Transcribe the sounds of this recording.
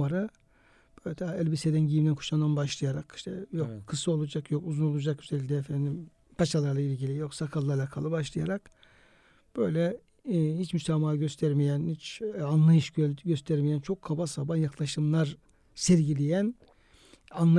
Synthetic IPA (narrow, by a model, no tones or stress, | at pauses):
maɾɯ | b̥øjlʲɛt̪ʰaɛlʲbised̪ænɟijimd̪ænkʰu̥ʃand̪anbaʃlˠɯjaɾaki̥ʃt̪ʰɛjokkʰɯsɯo̞lˠud͡ʒakjokuzuno̞lˠud͡ʒakyzelʲic̬ʲlʲɛːfɛnd̪im | pʰat͡ʃalˠaɾlˠailʲɟilʲijo̞ksakʰalˠːaɾlˠakʰalˠɯbaʃlˠɯjaɾak | b̥ø̞jlʲɛ | hit͡ʃmysamaːaɟøst̪ʰæɾmijænhit͡ʃanlˠajɯʃɟøst̪ʰæɾmijænt͡ʃʰo̞kʰːabasabanjaklˠaʃɯmlˠaɾ | sɛɾɟilʲijæn | anlˠ